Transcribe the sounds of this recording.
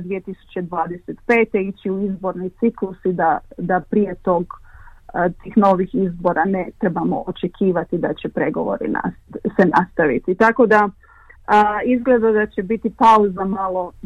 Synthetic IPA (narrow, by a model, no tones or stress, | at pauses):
d̪ʋije̞t̪isu̥t͡ɕe̞d̪ʋaːd̪eset̪pe̞ːt̪e̞it͡ɕiuizbo̞ɾnijt̪siklusid̪ad̪apɾije̞t̪o̞ɡ | t̪iːxno̞ʋixizbo̞ɾʔanet̪ɾebamo̞̰ʔot͡ʃe̞kʰiːʋat̪id̪at͡ɕe̞pɾe̞ɡo̞̰ʋo̞̰ɾḭna̰senast̪aʋḭt̪it̪ako̞d̪a | izɡle̞d̪ad̪at͡ɕe̞bit̪ipauzamalˠo̞